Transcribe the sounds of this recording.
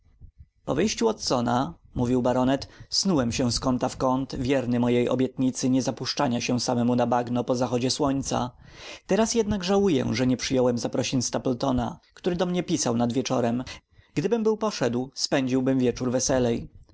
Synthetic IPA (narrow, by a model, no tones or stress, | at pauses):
pɔ̰vɘjɕt͡ɕuɔt̪sɔnamuvʲiwbaɾɔnɛt̪snuwɛmɕɛ̃skɔnt̪afkɔnt̪vʲjɛɾnɘmɔjejɔ̰bʲjɛt̪ɲit̪sɘɲɛzapuʂt͡ʂaɲaɕɛ̃samɛmunabaɡnɔpɔzaxɔd͡ʑɛswɔɲt̪sa̰ | t̪ɛɾasjɛd̪naɡʐawujɛ̰ʐɛɲɛpʂɘjɔwɛmzapɾɔɕiɲst̪apɛlt̪ɔna̰kt̪uɾɘd̪ɔmɲɛpʲisawnad̪vʲjɛt͡ʂɔɾɛm | ɡ̥d̪ɘbɘmbɘwpɔʂɛd̪wspɛɲd͡ʑiwbɘmvʲjɛt͡ʂuɾvɛsɛlɛj